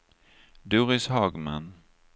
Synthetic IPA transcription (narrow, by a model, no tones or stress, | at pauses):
d̪uːɾɪshɑːɡma̰n